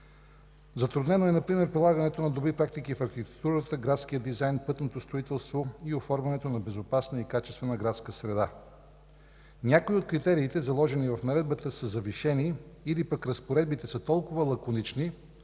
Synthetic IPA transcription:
zɐt̪ɾʊd̪nɛnoɛnɐpɾimɛɾpɾilˠaɡɐnɛt̪onɐd̪obɾipɾak̚t̪ikifɐxit̪ɛ̥t̪uɾət̪əɡɾat̪sk̟ijəd̪izajnpɤt̪not̪ost̪ɾoit̪ɛlˠst̪voiofɔɾvɐnɛt̪onɐbɛzopasnəikat͡ʃɛst̪vɛnəɡɾat̪skəsɾɛd̪a | nʲakoiot̪̚kɾit̪ɛɾiːt̪ɛzɐlˠɔʒɛnivɐfnɐɾɛd̪̚bət̪əsəzɐviʃɛniːlipəkɾəspoɾɛd̪̚bit̪ɛsət̪ɔlˠkʊvəlˠɐkonit͡ʃni

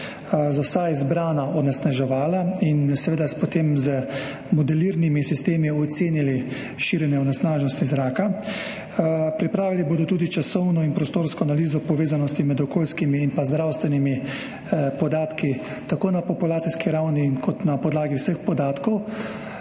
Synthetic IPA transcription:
zawsaizbɾaːnaɔnɛsnaʒɛʋaːlainsɛʋeːd̪aspɔt̪emzə | mɔd̪ɛliɾnimisist̪eːmiɔt̪seːnili | ʃiɾjɛnjɛɔnɛsnaːʒnɔst̪izɾaːka | pɾipɾaːʋiliboːd̪ɔt̪uːd̪it͡ʃasɔwnɔinpɾɔst̪oːɾskɔanaliːzɔpɔʋeːzanɔst̪imɛd̪ɔkoːlskimiːnpazd̪ɾawst̪ʋɛnimi | pɔd̪aːt̪ki | t̪akoːnapɔpulaːt̪siskiɾawniːnkʰɔt̪napɔd̪laːɡiwsəxpɔd̪aːt̪kɔw

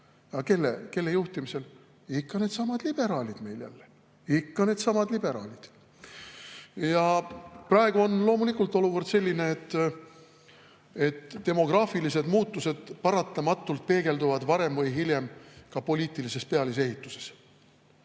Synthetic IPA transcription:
jɑke̞lːḛke̞lːe̞juht̪imise̞l | ikːɑne̞d̪sɑmɑd̪̥lib̥e̞ɾɑːlʲid̪̥me̞jljæ̰lːe | ikːɑne̞ːd̪̥sɑmɑd̪lib̥e̞ɾɑ̰ːlʲid̪̥ | jɑprɑe̞ɡuo̞nlo̞ːmulikːˑult̪ːˑo̞luvərd̪se̞lʲːineːt̪ː | e̞t̪ːe̞mo̞ɡ̥rɑːfilise̞d̪muːt̪ˑːuse̞d̪̥pɑɾɑt̪ːˑɑmɑt̪ːˑult̪̚pe̞ːɡ̥e̞ld̪uvɑd̪̥vɑɾe̞mvɤjɦilʲje̞mkɑpo̞liːt̪ːˑilise̞spe̞ɑlis̬e̞ɦit̪ːˑuse̞̥s

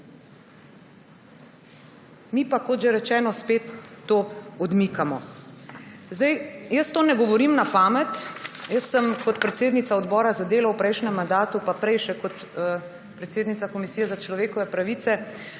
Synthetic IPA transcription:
mipakot̪ʒeɾɛt͡ʃɛːnɔspeːt̪ːoːɔd̪mikamɔ | zd̪ɛjjəst̪oːnɛɡɔʋɔɾimnapaːmɛt̪jəsːəmkɔt̪pɾɛt̪seːd̪nit̪saɔd̪bɔːɾazad̪eːlɔwpɾɛjʃnɛmːand̪aːt̪upapɾɛjʃɛkɔt̪ | pɾɛt̪seːd̪nit̪sakɔmisiːjɛzat͡ʃlɔʋeːkɔʋɛpɾaʋiːt̪sɛ

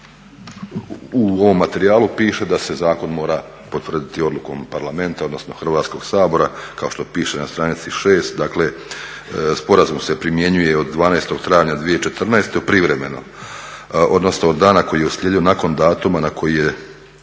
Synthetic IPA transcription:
uo̞ʋo̞mːat̪e̞ɾiaːlupiːʃe̞d̪ase̞zaːko̞nmo̞ːɾa | po̞t̪ʋrd̪it̪io̞d̪lˠuko̞ːmpaɾlame̞nt̪ao̞d̪no̞sno̞xr̩ʋaːt̪sko̞ɡ̥saːbo̞ɾakao̞ʃt̪o̞piːʃenast̪ɾaːnit̪siʃeːst̪d̪aːkle̞ | spo̞ɾazumse̞pɾimje̞ɲuje̞od̪ːʋaːnaest̪o̞ɡt̪ɾaːjʋɲad̪ʋijet͡ʃe̞t̪r̩naest̪eupɾiʋɾe̞me̞no̞̰ | ʔo̞d̪no̞snood̪ːaːnako̞jijeusljed̪io̞nako̞nd̪aːt̪umanako̞jije̞

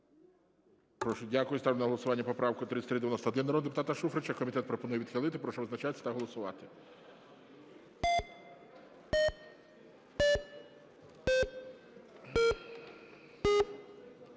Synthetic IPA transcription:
pɾɔʃɔdʲakʊjʊst̪ɑwnɐɦɔlˠɔsʊʋɑnʲːɐpɔpɾɑʋkʊt̪ɾɪtʲsʲt̪ɾɪd̪eʋʲjɔnɔst̪ɐɔd̪ɪnɐɾɔd̪epʊt̪ɑt̪ɐʃufɾet͡ʃɐkɔmʲit̪ɛt̪pɾɔpɔnujɛʋid̪̥xɪlˠɪt̪ɪpɾɔʃɔʋɪznɐt͡ʃat̪esʲɐ̥t̪ɐɦɔlˠɔsʊʋɑt̪ɪ̥

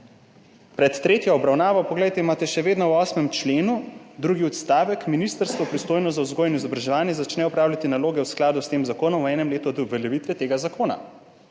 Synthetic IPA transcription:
pɾɛt̪ːɾeːt̪jaɔbɾawnaːʋɔpɔɡlɛjt̪ɛimaːt̪ɛʃɛʋeːd̪nɔwɔːsmɛmt͡ʃleːnud̪ɾuɡiɔt̪st̪aːʋɛkminist̪əɾst̪ʋɔpɾist̪oːjnɔzauzɡoːjɛnizɔbɾaʒɛʋaːnjɛzat͡ʃnɛɔpɾaːwlʲat̪inaloːɡɛwsklaːd̪ust̪eːmzakoːnɔmwɛːnɛmleːt̪ud̪uvɛljɛʋit̪ʋɛt̪eːɡazakoːna̰

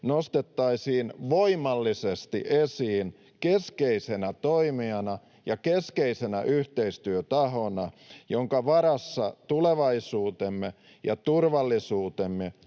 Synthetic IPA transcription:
nost̪et̪ːɑisiːnʋoimɑlːisest̪ḭʔesiːn | keskeisenæt̪oimiɑnɑ | jɑkeskeisenæʔyht̪eist̪yøt̪ɑhonɑjoŋkɑʋɑɾɑsːɑt̪uleʋɑisuːt̪emːe | jɑ̰t̪urʋɑlːisuːt̪emːe

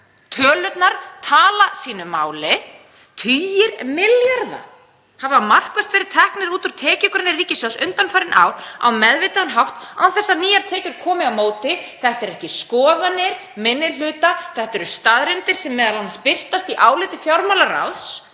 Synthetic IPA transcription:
t̪ʰœːlœt̪naɾt̪ʰaːlasiːnʏmaːwlɪ | t̪ʰyːjɪɾmɪljaɾða̰ | havamar̥kvast̪vɛɾɪɾ̥t̪ʰɛhknɪɾuːt̪ʏɾ̥t̪ʰɛːcikʏɾɪnːɪriːcɪsjɔsʏnt̪anfajɾɪnʔa̰ːwɾa̰wmɛðvɪːt̪aanɦawht̪awθɛsːaniːjaɾt̪ʰɛːcʏɾ̥kʰɔːmɪawmoːwt̪ɪθɛht̪ɛɾɛhcɪskɔːðanɪɾ̥ | mɪnːɪl̥ʏːt̪aθɛht̪ɛɾʏst̪aðɾɪnt̪ɪɾ̥sɛmːɛːðalanspɪl̥t̪ast̪iʔaːwlɪt̪ɪfjawɾmawlara̰ðs

